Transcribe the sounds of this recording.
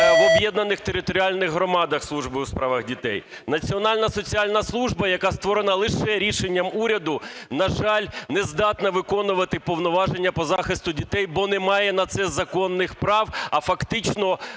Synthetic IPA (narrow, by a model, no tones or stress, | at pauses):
ɔbjɛd̪nɐnɪxt̪eɾɪt̪ɔɾʲialʲnɪɣɦɾɔmɑd̪ɐxslˠuʒbɪuspɾɑʋɐxdʲit̪ɛ̰j | nɐt͡sʲiɔnɑlʲnɐsɔt͡sʲialʲnɐslˠuʒbɐjɐkɑst̪ʋɔɾenɐlˠɪʃɛɾʲiʃenʲːɐmuɾʲɐd̪ʊnɐʒɑlʲnɛzd̪ɑt̪nɐʋɪkɔnʊʋɐt̪ɪpɔʋnɔʋɑʒenʲːɐpɔzɑxɪst̪ʊdʲit̪ɛjbɔnɛmɑjɛnɐt̪sɛzɐkɔnːɪxpɾɑwɐfɐkt̪ɪt͡ʃnɔ